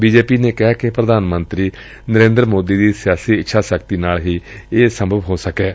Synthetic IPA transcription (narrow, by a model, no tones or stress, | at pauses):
biːd͡ʒeːpiːneːkɪɦaːkɪpɾəd̪aːnmənt̪ɾiː | nəɾẽːnd̪ɾmoːd̪iːd̪iːsɪjaːsiːɪtːʃʰaːsəkt̪iːnaːlɦiːeːsəmbʱəʋɦoːsəkɛː